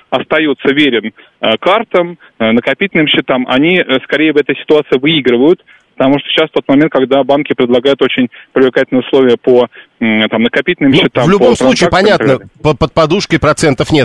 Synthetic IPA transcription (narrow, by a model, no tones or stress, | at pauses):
ɐst̪ɐjut̪səvʲeɾʲɪn | əkart̪əm | nəkɐpʲitʲɪlʲnɨmɕːɪt̪amʔɐ̰nʲiskɐɾʲejɪvɛt̪əjsʲɪ̥t̪ʊat̪sɨɪvɨiɡɾɨvəjʊt̪ | pə̥t̪ɐmuʂt̪oɕːasft̪o̞t̪mɐmʲent̪̚kɐɡd̪abankʲɪpɾʲɪd̪lˠɐɡajʊt̪o̞t͡ɕɪnʲpɾʲɪvlʲɪkatʲlʲnəjʊslˠo̞vʲɪjəpot̪amnəkɐpʲitʲlʲnɨmɕːɪt̪amvlʲʊbomsˠut͡ɕiːpɐnʲat̪nəpəpət̪̚pɐd̪uʂkəjpɾɐt̪sɛnt̪əfnʲet̪